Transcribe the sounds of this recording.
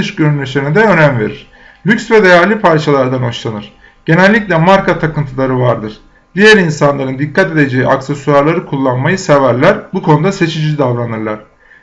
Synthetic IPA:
ɯʃɟøɾynlʲeʃenid̪ɛø̞næmve̞̰ɾiɾ̥ | lʲycʲsvɛd̪e̞jæɾlʲipʰaɾt͡ʃʰalˠaɾd̪ano̞ʃlˠanɯɾ̥ | ɟ̥e̞nælʲːicʲlʲɛmaɾkat̪ʰakɯnt̪ʰɯlˠaɾɯvaɾd̪ɯɾ̥ | d̪̥ijæɾinsanlˠaɾɯnd̪ikʰːat̪e̞d̪e̞d͡ʒeiaksesuaɾlˠaɾɯkʰulˠːanmajɯsevæɾlʲæɾbukʰo̞nud̪ase̞t͡ʃʰid͡ʒid̪avɾanɯɾlˠaɾ̥

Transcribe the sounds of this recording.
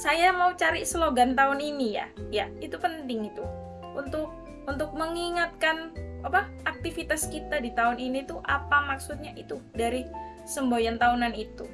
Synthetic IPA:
sajamaut͡ʃaɾisəloɡant̪aʊninija̰jait̪upənt̪ɪŋit̪u | unt̪ʊk̚ | unt̪ʊk̚məŋiŋat̪̚kanapa | ak̚t̪ifit̪askit̪adit̪aʊninit̪uʔapamaksut̪̚ɲaʔit̪udaɾi | səmbojant̪aunanit̪u

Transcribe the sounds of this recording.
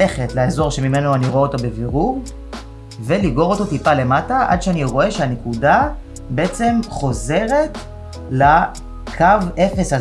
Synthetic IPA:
eχetleazo̞ʁʃe̞mime̞noaniʁoeot̪obe̞viʁuɡ | ve̞liɡo̞ʁoto̞t̪ipale̞mataʔa̰d̪ʃeaniʁo̞e̞ʃeane̞kuda | beet͡se̞mχo̞ze̞ʁe̞t̪ | la | kʰave̞fe̞sha

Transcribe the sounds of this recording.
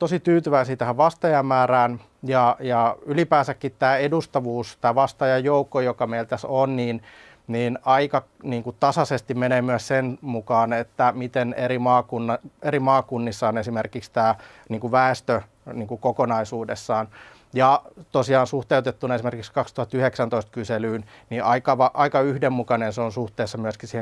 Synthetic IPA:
t̪osit̪yːt̪yʋæisiːt̪æhæʋʋɑst̪ɑjɑmːæːræːn | jɑjɑylipæːsækːit̪tæːedust̪ɑʋuːst̪æːʋɑst̪ɑjɑjjoukːojokɑmeilt̪æsonniːn | niːnɑikɑniːŋkutt̪ɑsɑsest̪immeneːmyæssenmukɑːnet̪ːæmit̪eneɾimɑːkunːɑeɾimɑːkunːisːɑonesimerkikst̪æː | niːŋkuʋæest̪ø | niːŋkukokonɑisuːdesːɑːn | jɑt̪osiɑːnsuht̪eut̪et̪ːunɑesimerkikskɑkst̪uhɑt̪ːyheksænt̪oist̪̚kyselyːnniʔɑikɑʋɑʔɑikɑyhdemmukɑnenseonsuht̪eːsːɑmyøskisiːhe

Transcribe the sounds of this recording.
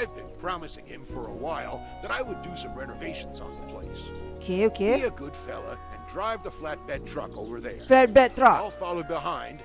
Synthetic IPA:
aɪvbɨ̃npʰɹ̥ɑmɨsɪ̃ŋɪ̃ɱfə˞əwaɪlˠ | ðɨɾaɪwədɨsʌ̃mɹɛnə˞veɪʃn̩zn̩ðəpʰl̥ḛɪs | okʰeokʰeiɨɡʊd̥fɛ̰lˠo̰ɨ̃ndɹaɪvðəflæt̚b̥ɛd̚tʰɹ̥ʌ̰ko̰ʊvə˞ðəflæt̚b̥ɛdtɹ̥ʌlˠfɑlˠoʊd̚bəɦãɪ̃nd̥

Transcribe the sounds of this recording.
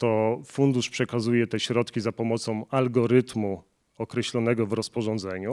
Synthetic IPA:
t̪ɔfund̪uʂpʂɛkazujɛt̪ɛɕɾɔt̪kʲizapɔmɔt̪sɔ̃w̃alɡɔɾɘt̪mu | ɔkɾɛɕlɔnɛɡɔvɾɔspɔʐɔ̃nd̪zɛɲu

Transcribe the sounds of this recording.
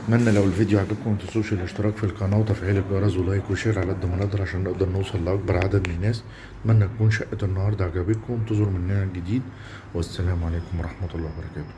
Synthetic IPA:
t̪mænːælæwɪlfid̪juʕaɡæb̚kʊmʔɪnt̪æsˤuːʃælʔɪʃt̪ɪɾɑːkfilkɑnɑːwt̪æfʕiːlɪɡɑɾˤɑzlɑːjkuʃeːɾʕalʔæd̪ːæmænɑʔd̪ˤɑɾˤʕaʃæːnːeʔd̪ɑɾˤnosˤɑlːʔɑk̚bɑɾˤʕad̪æd̪mɪnnːæːs | t̪mænːæt̪ækuːnʃæʔːænːɑhɑːɾˤd̪aʕɡæbikʊmt̪ezʊɾmɪnːæhæɡɪd̪iːd̪ | wæsːælæːmʕaleːkʊmwɑɾˤʔɑħmɑt̪ɑlːɑːwbɑɾˤɑkæːt̪ʊ̥

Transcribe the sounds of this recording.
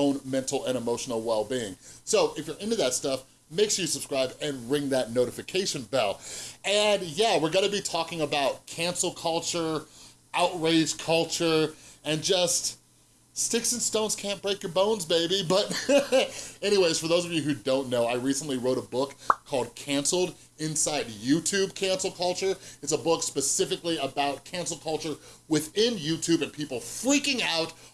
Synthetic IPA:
õʊ̃nmɛ̃ntˡl̩ˠə̃ɾ̃əmoʊʃn̩l̩ˠwɛlˠbiɪ̃ŋsoʊʔɨfjə˞ɪ̃ntʉðɨtstʌf | meɪksjɨsəb̥skɹaɪbɨ̃nɹɪ̃ŋðɨtⁿnoʊɾɨfɨkʰeɪʃɨ̃nvɛlˠɨ̃njæwɪɹɡʌɾɨbitʰɔkɪ̃ŋəbaʊt̚kʰæ̃nsl̩ˠkʰʌlˠt͡ʃə˞ | ʔaʊt̚ɹeɪd̥ʒ̥kʰʌlˠt͡ʃə˞ɨ̃nd͡ʒʌst | stɪksɨ̃n̩stõʊ̃nz̥kʰæ̃nb̥ɹeɪkjə˞bõʊ̃nzbeɪbibʌɾ | ɛñiweɪz̥fə˞ðoʊzʌvjɨɦʉdõʊ̃nːoʊaɪɹisə̃n̩ʔliɹoʊɾəbʊkʰːɔlˠd̚kʰæ̃nsl̩ˠd | ɪ̃nsaɪd̚jʉtʰʉb̚kʰæ̃nsl̩ˠkʰʌlˠt͡ʃə˞ɨtsəbʊkspɨsɪfɨkliəbaʊt̚kʰæ̃nsl̩ˠkʰʌlˠt͡ʃə˞wɪθɪ̃njʉtʰʉbɨ̃npʰipl̩ˠfɹikɪ̃ŋaʊt̚

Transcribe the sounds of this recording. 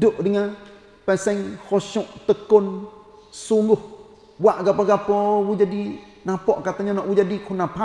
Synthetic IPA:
duʔdəŋa | pɛsɛŋhɔʃuʔt̪əkon | suŋɡʊh | waʔɡapaɡapɔwud͡ʒadi | napɔʔkat̪aɲɔnɔʔwud͡ʒadikʰunapʰa

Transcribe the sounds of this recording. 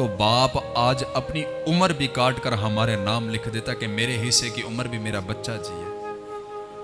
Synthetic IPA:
oːbaːpaːd͡ʒəpni | ʊməɾbʱiːkaːɾʈkəɾɦəmaːɾenaːmlɪkʰd̪eːt̪akemeːɾeɦɪsːekiʔʊməɾbʱiːmeːɾabətːʃad͡ʒḭːɛ̰ː

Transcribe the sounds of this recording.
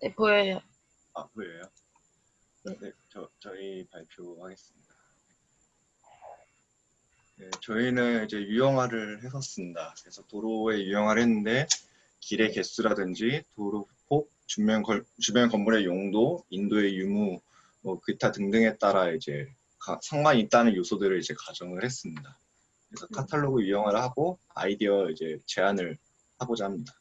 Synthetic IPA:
nepoʌjo | amoɾejo | ene̞t͡ɕʌt͡ɕʌipaɭpʰjohaɡe̞s͈ɯmɲida | ne | ne̞t͡ɕʌinɯnid͡ʑe̞jujʌŋɦwaɾɯɭhe̞s͈ʰʌs͈ɯmɲidakɯɾe̞sʰʌtoɾoe̞jujʌŋɦwaɾɦenːɯnde̞ | kiɾe̞ke̞s͈uɾadɯnd͡ʑitoɾopʰok̚t͡ɕumʌʌt͡ɕumjʌnkʌmːuɾe̞joŋdoindoe̞jumu | ʌkɯtʰatɯŋdɯŋɦe̞t͈aɾaid͡ʑe̞ | kasʰaŋɡwaɲit͈anɯnjosʰodɯɾɯɭid͡ʑe̞kad͡ʑʌŋɯɭhe̞s͈ɯmɲida | kkɯɾe̞sʰʌkʰatʰaɭːoɡɯjujʌŋɦaɾɯɭhaɡo | a̰idiʌid͡ʑe̞t͡ɕe̞anɯɭ | habod͡ʑaɦamɲida

